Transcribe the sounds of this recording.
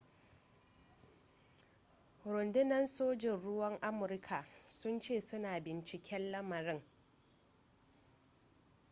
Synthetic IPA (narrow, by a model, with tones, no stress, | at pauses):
ɾʊ˨ndʊ˦nɐ˦nsoː˦d͡ʒɪ˨nɽʊ˦wɐ˦ŋʔa˦mʊ˨ɾkʰa˨sʊ˦nt͡ʃeː˦˨sʊ˦naː˨bɪ˨nt͡ʃɪ˨kʲɛ˦nlɐ˦mɐ˨ɾɪ˦ŋ